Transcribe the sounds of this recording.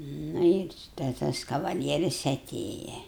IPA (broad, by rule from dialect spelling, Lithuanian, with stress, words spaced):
ˈnʊ ɪr tɐɪ ˈtɐs kɐʋɐˈlʲiɛrʲɪs ɐˈtʲeːjɛ